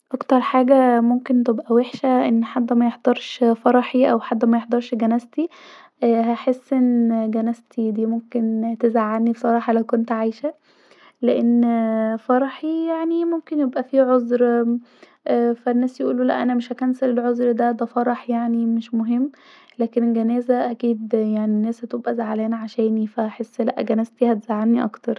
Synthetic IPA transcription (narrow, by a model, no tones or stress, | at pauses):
ʔɑkt̪ɑɾˤħaːɡæmomkent̪ebʔæweħʃæʔenːħad̪ːmæjeħd̪ˤɑɾˤʃfɑɾˤɑħiʔæwħad̪ːmæjeħd̪ˤɑɾˤʃɡænæst̪i | ʔhæħesːʔenːɡænæst̪ʰid̪iːmomkent̪ezaʕːanːibesˤɑɾˤɑːħɑlæwkont̪ʕajʃæ | leʔenːfɑɾˤɑħijaʕnimomkenjebʔæfiʕozɾ | ʔːfænːæːsjeʔṵːlulæʔænæmeʃhækænsæɾelʕozˤɾd̪æd̪æfɑɾˤɑħjaʕnimeʃmoɦemː | læːkenelɡænæːzæʔækiːd̪jaʕninːæːshæt̪obʔæzaʕalæːnʕaʃæːnifæhæħesːlæ̰ʔɡænæzt̪ihæt̪ez̥aʕːanniʔɑkt̪ɑɾˤ